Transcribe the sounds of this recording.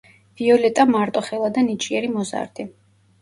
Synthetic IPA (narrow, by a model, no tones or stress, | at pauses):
v̥iɔlɛt̪ʼamaɾt̪ʼɔχɛlˠad̪anit͡ʃʼiɛɾimɔza̰ɾd̪i